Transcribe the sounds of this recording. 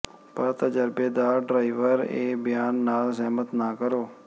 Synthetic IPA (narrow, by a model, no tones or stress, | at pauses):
pəɾt̪əd͡ʒəɾbeːd̪aːɾɖɾaːiʋəɾḛːbɪjaːnːaːlzɛɦmət̪naːkəɾoː